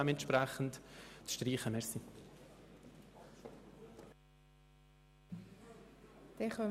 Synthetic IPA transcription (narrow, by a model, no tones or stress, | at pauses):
ɛmɛnt̪ʃpɾɛχən̩tt͡sʃtɾiːχəmɛɾsi | d̪̥ɛχœ